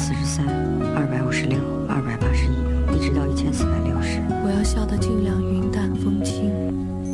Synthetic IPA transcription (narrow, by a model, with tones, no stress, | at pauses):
sɹ̩˥˩ʂɻ̩˧˥sa˥n | ɐ˥˩pa˨˧˥ɪu˨˩ʂɻ̩˧˥ljo˥˩ʊ | ɐ̰˥˩pa˨˩ɪpa˥ʂɻ̩˧˥i˥i˥˩ʈ͡ʂɻ̩˧˥t̪ɑ˥˧ʊi˥˩t͡ɕʰjɛ˥nsɹ̩˥˩t̪a˧˥nljo˥˩ʊʂɻ̩˧˥wɔ˨˩jɑ˥˧ʊɕjɑ˨˩ʊd̪ə˧ʈ͡ʂi˥˩ljɑ˧˩ŋy˧i˧˥nt̪a˥˩n˩fɤ˥ŋt͡ɕʰi˥ŋ